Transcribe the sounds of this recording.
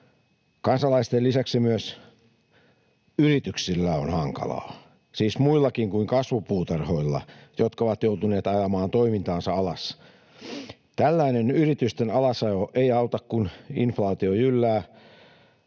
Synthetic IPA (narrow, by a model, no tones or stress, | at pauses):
kɑnsɑlɑist̪ellisæksimyøs | yrit̪yksilːæo̰nhɑŋkɑ̰lɑ̰ː | siːsmuilːɑkiŋkuiŋkɑsʋupuːt̪ɑrhoilːɑ̰jot̪kɑoʋɑt̪jout̪uneːt̪ɑjɑmɑːnt̪oimint̪ɑːnsɑɑlɑs | t̪ælːæinenyrit̪yst̪enɑlɑsɑjoʔeiɑut̪ɑkkuninflɑːt̪iojylːæː